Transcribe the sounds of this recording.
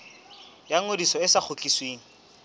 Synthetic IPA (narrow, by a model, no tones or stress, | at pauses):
jaŋodisɔɪsak͡xʰʊt͡ɬʼisweːŋ̩